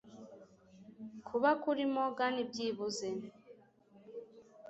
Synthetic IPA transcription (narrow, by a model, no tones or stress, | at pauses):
kʰuβakuɾimoɡanibɟiːβuze